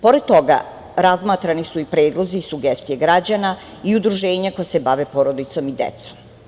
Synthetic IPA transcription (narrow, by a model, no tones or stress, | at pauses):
po̞ɾed̪̚t̪o̞ɡa̰ | ɾazmaːt̪ɾanisuipɾeːd̪lˠo̞ziːsuɡest̪ijeɡɾad͡ʑana | iud̪ɾuʒeːɲakojasebaʋepoɾo̞d̪it̪so̞mid̪ḛt̪som